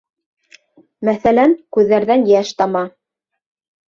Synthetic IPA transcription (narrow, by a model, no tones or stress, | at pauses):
mæθælænkʉðːæɾðænjæʃt̪ɑmɑ